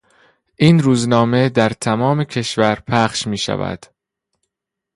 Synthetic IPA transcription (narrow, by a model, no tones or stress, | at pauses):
ʔiːnɾuːznɒːme̞d̪æɾt̪ʰæmɒːmecʰe̞ʃvæɾpʰæχʃmiːʃæ̰væ̰d̪̥